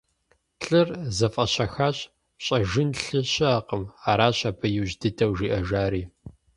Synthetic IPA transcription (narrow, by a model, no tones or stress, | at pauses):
ɬʼɨrzɐfʼɐɕɐxaːɕʼ | ɕʼɐʒɨnɬɨɕʼɪaːqəmaːɾaːɕaːpʰɐjuʑdɨtʰɐwʒiːʔɐʒaːɾiː